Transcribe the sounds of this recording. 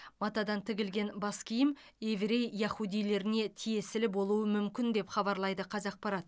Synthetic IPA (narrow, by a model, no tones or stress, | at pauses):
mɑt̪ɑd̪ɑnt̪ʰɪɡʲɪlɡʲe̞nbɑskʲʰijɪm | e̞vɾe̞jːɑχud̪ijle̞ɾɪne̞t̪ʰije̞sɪlɪbo̞lˠuəmʏmkʲɪnd̪e̞pχɑbɑɾlˠɑjd̪əqʰɑzɑq̚pɑɾɑt̪̚